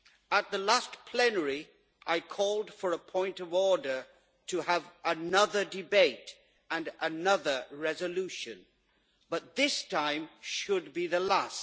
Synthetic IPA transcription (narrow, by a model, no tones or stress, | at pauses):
ət̪̚ðəlæspʰl̥ɛnə˞i | ʔaɪkʰɔlˠd̥fə˞əpʰɔ̃ɪ̃ntʌvɔɹɾə˞ | ɾɨəvənʌðə˞dɨbeɪɾ | ɨ̃nənʌðə˞ɹɛzɨlʉʃɨ̃n | b̥ʌt̪̚ðɪstʰãɪ̃mʃɨd̚biðəlæs